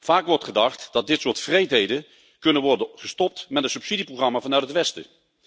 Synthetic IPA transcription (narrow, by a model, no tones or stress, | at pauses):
v̥aːkʋɔɹtχədɑχtd̥ɑt̚dɪtsʊːɹtfrejtɦejdən | kɵnənʋɔɹdəχəstɔp̚tmɛtəsɵpsidiproχrɑmaːvɑnœɥtətʋɛstə̰